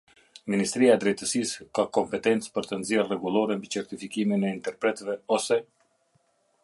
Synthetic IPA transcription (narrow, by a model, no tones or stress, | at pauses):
minist̪ɾiaɛd̪ɾɛjt̪əsiskakɔmpɛt̪ɛnt̪t͡spəɾt̪ənzjɛrrɛɡulˠɔɾɛmbit͡ʃɛɾt̪ifikiminɛint̪ɛɾpɾɛt̪vɛɔsɛ